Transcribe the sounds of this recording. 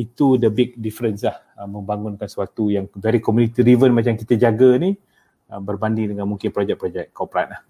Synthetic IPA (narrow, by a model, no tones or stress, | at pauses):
it̪udəbɪk̚difəɾənslah | əməmbaŋʊnkansuat̪ujaŋdaɾikomunit̪iɾivənmat͡ʃamkit̪ad͡ʒaɡani | əbərbandiŋdəŋanmuŋkɪnpɾod͡ʒɛk̚pɾod͡ʒɛkːapɾat̪lah